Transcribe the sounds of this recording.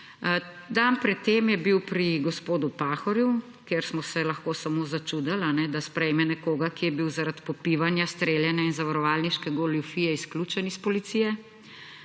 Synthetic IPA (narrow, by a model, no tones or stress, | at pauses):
d̪anpɾɛt̪ːemjɛbiwpɾiɡɔspoːd̪upaxɔɾju | keɾsmɔsɛlɐxkoːsamoːzat͡ʃud̪alanɛd̪aspɾɛjmɛnɛkoːɡakijɛbiwzaɾat̪pɔpiʋanjast̪ɾeːljɛnɛinzaʋaɾɔʋaːlniʃkɛɡoljufiːjɛiskluːt͡ʃɛnispɔlit̪sijɛ